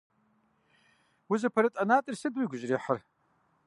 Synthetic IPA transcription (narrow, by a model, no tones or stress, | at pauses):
wizapʰaɾɨtʼanatʼɨrsɨdwiɡʷʊʒriħər